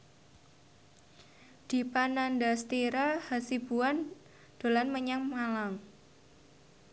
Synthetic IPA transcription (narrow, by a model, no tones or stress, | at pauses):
d̪̥i̤panandast̪iɾahasib̥uan | d̪̥o̤lanməɲaŋmalaŋ